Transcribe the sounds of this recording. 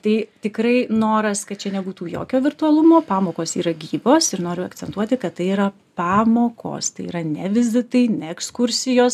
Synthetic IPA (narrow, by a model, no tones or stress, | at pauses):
t̪ɐɪt̪ʲɪkɾɐɪnoːɾɐskɐt̚t͡ʃʲɛnʲɛbuːt̪uːjo̰ːkʲoːʋʲɪrt̪ʊɐlˠʊmoːpɑːmoːkoːsiːɾɐɡʲiːʋoːsɪɾnoːɾʲʊɐ̰k̪t͡sʲɛnt̪uɔt̪ʲɪkɐt̪t̪ɐɪiːɾɐpɑːmoːkʰo̰ːst̪ɐɪḭːɾɐnʲɛʋʲɪzʲɪt̪ɐɪnʲɛɛkskʊɾʲsʲɪjoːs